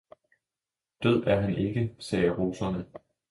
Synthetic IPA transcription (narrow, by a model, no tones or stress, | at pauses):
d̥øð̞̰ˠæɐɦænʔe̝ɡ̥əsɛːɐʁo̝ːsɐnə